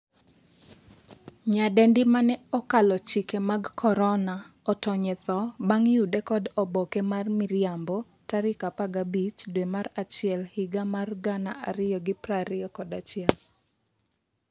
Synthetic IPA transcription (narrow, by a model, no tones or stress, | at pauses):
ɲadɛndɪmanɛɔkalɔt͡ʃikemaɡkʰɔɾɔna | ɔtɔɲɛt̪ɔbaŋjudɛkɔdɔbɔkɛmarmɪɾjambɔ | taɾɪkapaɡabit͡ʃdwemaɾat͡ʃɪɛlhɪɡamarɡanaʔa̰ɾɪjɔɡɪpɾaɾɪjɔkɔdat͡ʃɪɛl